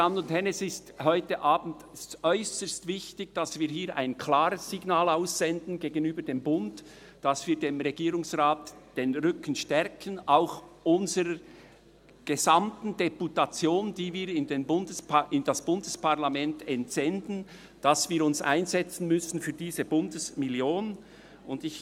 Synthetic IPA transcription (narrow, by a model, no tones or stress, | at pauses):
anʊnthɛnɛsɪsthɔʏtəʔaːb̥n̩tɛstœʏsəstv̥ɪçtɪçd̥ɑsviːɾɦiːɾʔa̰ɪnkʰlaːɾəsːɪɡnaːlaʊsz̥ɛndn̩ɡeːɡənyːbədeːmbʊnt | d̥ɑsv̥iːɐdeːmʁɛɡiːɾʊŋsʁaːtd̥eːnʁʏkən̩ʃtɛɾkʰənaʊxʔʊnzəɾə | ɡ̥ezamtn̩d̥eputat͡sjoːndiːviːɾɪndeːnbʊndəsɪnd̥ɑsb̥ʊndəspaʁlamɛntɛntz̥ɛndn̩ | d̥ɑsv̥iːɾʊnsa̰ɪnzɛt͡sn̩mʏsn̩fyːɐdiːzəbʊndəsmɪljoːn | ʔʊndɪç